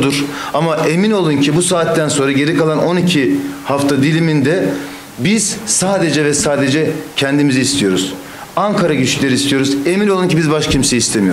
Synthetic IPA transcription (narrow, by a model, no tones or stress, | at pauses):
d̪uɾ̥amaʔe̞mino̞lˠuncʰibusaːt̪ːænso̞nɾaɟe̞ɾikalˠano̞nicʰihaft̪ʰad̪ilʲimind̪ɛ | biz̥saːd̪e̞d͡ʒɛvɛsaːd̪e̞d͡ʒɛcʰɛnd̪imiziːst̪ʰijo̞ɾuz̥ | aŋkʰaɾaɟyʃlylʲe̞ɾist̪ʰijo̞ɾuze̞mino̞lˠuncʰibizbaʃcʰimseist̪ʰemijo